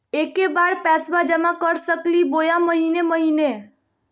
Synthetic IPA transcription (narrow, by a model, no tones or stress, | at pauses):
ekebaɽpɛsbad͡ʒəmakəɾsəklibojaməɦineməɦine